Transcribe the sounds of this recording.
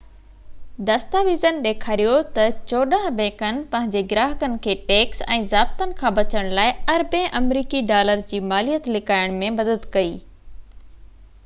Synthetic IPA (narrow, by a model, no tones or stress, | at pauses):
d̪ɐst̪aːʋiːzənɪɗeːkʰaːɾijot̪ɐt͡ɕoːɗaɦbẽːkənɪ̆pɐ̃ɦɪ̃ɲd͡ʑeɡɪɾaːɦəkənɪ̆kʰeːʈeːksɛ̰̃ːzaːb̚t̪ənɪ̆kʰãːbɐt͡ɕəɽ̃laːɪɐɾbẽʔɐmɾiːkiɖaːləɾd͡ʑiːmaːlijət̪lɪkaːɪɽ̃mẽmɐd̪əd̪kɐiː